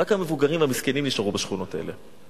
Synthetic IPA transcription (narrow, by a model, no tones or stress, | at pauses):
akhame̞vuɡaʁimamiskenimniʃaʁubaʃχuno̞taḛle̞